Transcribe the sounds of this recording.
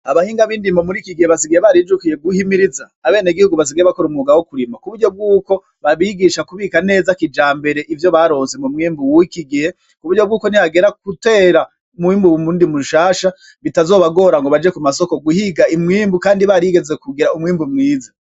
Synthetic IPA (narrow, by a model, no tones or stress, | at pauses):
aβahiːŋɡaβiːndimbomuɾikiɡiheβasiɡiheβaɾid͡ʒukije̞ɡuhimiɾizaːβe̞ːneɡihuɡuβas̬iɡijeβako̞ɾumuɡawokuɾimakuβuɾɟo̞b̚ɡuːko̞ | βaβiɡiʃakuβiːkane̞ːzakid͡ʒaːmbe̞ɾe̞ʔivjo̞βaɾo̞ːnze̞mumŋiːmbuwuikiɡihe̞ | kuβuɾɟo̞bɡuːko̞nihaɡe̞ɾakute̞ːɾa | umwiːmbuwumuːndimuʃaːʃa | βitazo̞ːβaɡo̞ɾaŋɡo̞βad͡ʒe̞kumaso̞ko̞ɡuhiɡaimŋiːmbukaːndiβaɾiɡe̞zekuɡiɾaumŋiːmbumŋiːza